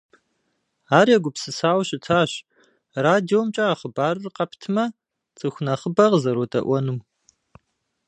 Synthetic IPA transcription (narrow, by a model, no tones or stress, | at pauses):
aːrjɛɡʷʊpsɨsaːwɕɪtʰaːɕ | raːdiomt͡ʃʼɐaχəbaːrɨrqɐpʰtʰɨmɐ | t͡sʼɨxʷʊnɐχəbɐʁzɐɾodɐ̰ʔʷɔnɨm